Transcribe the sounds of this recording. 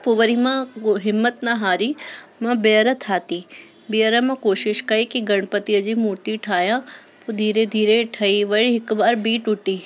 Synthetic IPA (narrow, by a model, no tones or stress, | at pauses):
puʋəɾimãɦɪmːət̪nɐɦaːɾimɐ̃bejəɾət̪ʰaːt̪i | bejəɾəmãkoːʃɪʃkɐikiɡɐɽ̃pət̪iɐd͡ʑimuːɾt̪iʈʰaːjã | pud̪ʱiːɾed̪ʱiːɾeʈʰɐiʋɐɭiɦɪkbaːɾbiːʈʊʈiː